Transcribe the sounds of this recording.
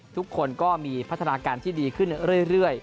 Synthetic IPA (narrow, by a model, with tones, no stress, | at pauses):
t̪ʰu˦˥kʰːo˧nkɔː˥˩miː˧pʰa˦˥t̪ʰːa˧naː˧kaː˧nt̪ʰiː˥˩diː˧kʰɯ˥˩nɾɯ˥˩əjɾɯ˥˩əj